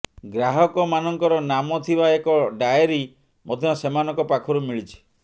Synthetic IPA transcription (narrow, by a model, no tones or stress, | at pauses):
ɡɾaɦɔkɔmanɔŋkɔɾɔnamɔt̪ʰibaekɔɖajeɾi | mɔd̪ʱjɔɔsemanɔ̃ŋkɔpakʰɔɾumiɭit͡ʃʰi̥